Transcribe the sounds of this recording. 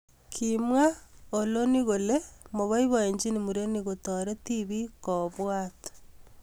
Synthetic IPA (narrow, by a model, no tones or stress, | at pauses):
kʰimwaoloniɣolemoβaiβaeɲd͡ʒinimuɾeniɣotoɾetiβikoβwato̥